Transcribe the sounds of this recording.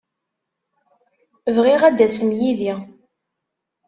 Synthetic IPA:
vʁiʁæd̪æsəmjiði

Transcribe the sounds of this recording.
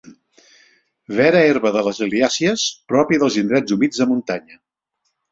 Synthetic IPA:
βɛɾəeɾβəðələzəliasiəspɾɔpiðəlˠzind̪ɾɛd͡zumid͡zðəmunt̪aɲə

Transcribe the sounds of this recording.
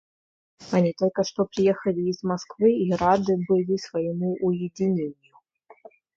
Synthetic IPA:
anʲit̪ɔlʲkɐʂt̪ɔpɾʲɨjɛxɐlʲiːzmaskvɨiɾad̪ɨbɨlʲisvajimuʔːjɛd͡zʲinʲenʲju

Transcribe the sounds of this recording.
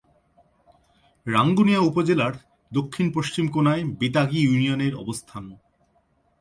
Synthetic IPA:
ɾaŋɡunijaupod͡ʑelaɾ | d̪okʰːinpoʃt͡ɕimkonaebit̪aɡijunijoneɾɔ̰bost̪ʰan

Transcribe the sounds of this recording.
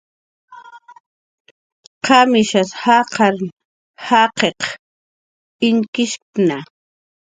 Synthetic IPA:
qʰɑmɪʃashaqɑɾ | hɑqeq | ɪŋkɪʃ | na

